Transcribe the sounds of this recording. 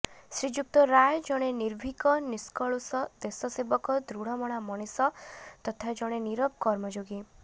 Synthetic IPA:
sɾid͡ʒuk̚t̪ɔɾajɔd͡ʒɔɽ̃eniɾbʱikɔniskɔɭusɔd̪esɔsebɔkɔd̪ɾuɽ̤ɔmɔɽ̃amɔɽ̃isɔt̪ɔt̪ʰad͡ʒɔɽ̃eniɾɔb̚kɔɾmɔd͡ʒoɡi

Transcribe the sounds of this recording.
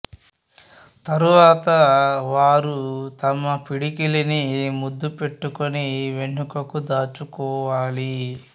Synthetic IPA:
t̪ɐɾuʋaːt̪ɐʋaːɾut̪ɐmɐpiɽikilinimud̪ːupe̞ʈːukoniʋe̞ɳːukɐkud̪aːt͡ʃukɔːʋaːli

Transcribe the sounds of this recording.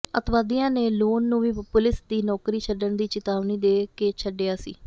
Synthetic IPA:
ə̰t̪ʋaːd̪ijãːneːloːnːũːʋiːpʊlɪsd̪iːnɔːkɾiːt͡ʃʰəɖəɳd̪iːt͡ʃɪt̪aːʋniːd̪eːkeːt͡ʃʰəɖeːaːsḭː

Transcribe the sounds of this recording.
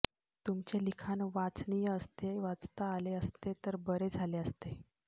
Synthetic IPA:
t̪umt͡ɕelikʰanʋat͡snijəəst̪eʋat͡st̪aːleəst̪et̪əɾbəɾed͡zʱaleəst̪e

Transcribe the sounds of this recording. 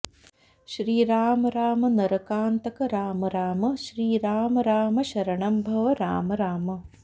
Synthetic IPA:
ʃɾiːɾaːmɐɾaːmɐnɐɾɐkaːnt̪ɐkɐɾaːmɐɾaːmɐʃɾiːɾaːmɐɾaːmɐʃɐɾɐɳɐmbʱɐʋɐɾa̰ːmɐɾaːmɐ

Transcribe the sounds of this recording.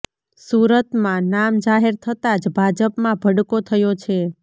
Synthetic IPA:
suɾət̪mãnamd͡ʒaɦeɾt̪ʰət̪ad͡ʒbʱad͡ʒəpmãbʱəɽkot̪ʰəjot͡ʃʰe

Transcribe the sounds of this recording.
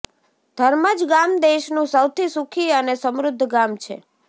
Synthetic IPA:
d̪ʱəɾməd͡ʒɡamd̪eʃnũsəwt̪ʰisukʰiənesəmɾʊd̪ʱːɡamt͡ʃʰḛ

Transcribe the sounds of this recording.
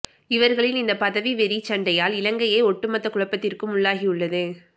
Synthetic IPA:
ɪʋɐɾɣɐɭɪlɪnd̪ɐpɐðɐʋiʋɛɾit͡ʃɐɳɖɐjaːlɪlɐŋɡɐjeːɔʈːɯmɐt̪ːɐkʊɻɐpːɐt̪ːɪrkɯmʊɭːaːɣijɯɭːɐðɯ

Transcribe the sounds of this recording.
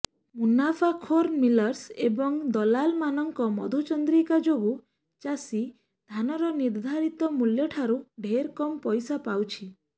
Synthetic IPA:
munafʰakʰoɾmilɔɾsebɔŋd̪ɔlalmanɔŋkɔmɔ̰d̪ʱut͡ʃɔnd̪ɾikad͡ʒoɡu | t͡ʃasi | d̪ʱanɔɾɔniɾd̪ʱaɾit̪ɔmuljɔʈʰaɾuɖʱeɾkɔmpɔjsapawt͡ʃʰi

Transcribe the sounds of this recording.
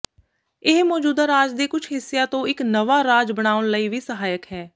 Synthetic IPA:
ɪɦmɔːd͡ʒuːd̪aːɾaːd͡ʒd̪eːkʊt͡ʃʰɦɪsːjaːt̪õːɪknəʋaːɾaːd͡ʒbəɽ̃aːʋənləiːʋiːsəɦaːjəkɦɛː

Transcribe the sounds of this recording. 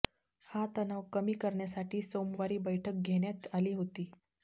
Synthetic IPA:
hat̪ənaʋkəmiːkəɾɳjasaʈʰiːsomʋaɾiːbəjʈʰək̚ɡʱeɽjat̪aliːɦot̪iː

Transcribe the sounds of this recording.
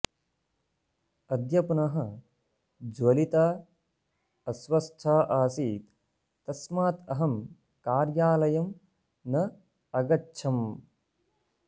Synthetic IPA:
ɐd̪ʱjɐpunɐɦɐ̆ | d͡ʒwɐlit̪aː | ɐswɐst̪ʰaːʔaːsiːt̪ː | ɐsmaːt̪ɐɦɐm | kaːɾjaːlɐjɐm | nɐ | ɐɡɐʃʰɐm

